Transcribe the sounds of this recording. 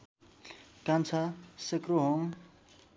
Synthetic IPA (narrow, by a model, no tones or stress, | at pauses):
kãnt͡sʰasekɾoɦoŋ